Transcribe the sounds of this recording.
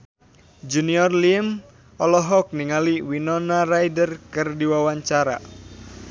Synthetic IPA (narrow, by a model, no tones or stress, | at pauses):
d͡ʒuniɔrlim | ɔlɔɦɔk̚niŋaliwinɔnarajdərkɨrdiwawaɲt͡ʃaɾa̰